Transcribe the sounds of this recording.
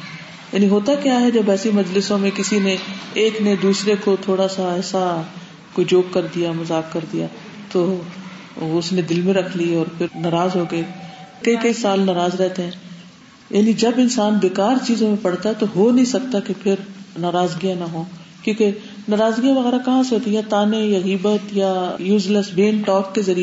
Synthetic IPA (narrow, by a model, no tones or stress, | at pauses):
ja̰ːniɦoːt̪akjaɦɛd͡ʒɐbɛːsimɐd͡ʒlɪsõmẽkɪsineeːkned̪uːsɾekot̪ʰoːɽasaɛːsa | kod͡ʒoːkkːɐɾd̪ijamɐzaːk̚kɐɾd̪ija | t̪o | ʊsnẽd̪ɪlmẽɾɐkʰliɔːɾpʰɪɾnɐɾaːzɦoːɡɐikɐikɐisaːlnɐɾaːzɾɛɦt̪eɦɛ̃ː | jaːnid͡ʒɐbɪnsaːnbeːkaːɾt͡ʃiːzõmẽpɐɽt̪aɦɛt̪oɦonɐɦĩsɐk̚t̪akepʰɪɾnaːɾaːzɡijãnaɦõː | kjõːke | naːɾaːzɡijãʋɐɣɛːɾakɐɦãseɦoːt̪ĩjɛ̃t̪aːnejaɣiːbət̪jajuːd͡ʒləsbeːnʈɔːkːezɐɾi